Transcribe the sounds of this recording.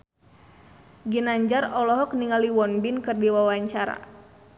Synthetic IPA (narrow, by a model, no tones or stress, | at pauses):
ɡinaɲd͡ʒarɔlɔɦɔk̚niŋaliwɔnbinkɨrdiwawaɲt͡ʃaɾa̰